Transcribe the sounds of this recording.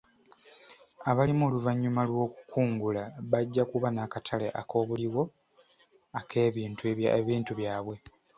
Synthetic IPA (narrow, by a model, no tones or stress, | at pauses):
aβalimoːluvaɲːumalwo̞ːku̥kʰuːŋɡulaβaɟːakuβanakatʰaleʔa̰kʰo̞ːβuliwo̞ | akʰe̞ːβiːntueβiːntuβjaːβwe̞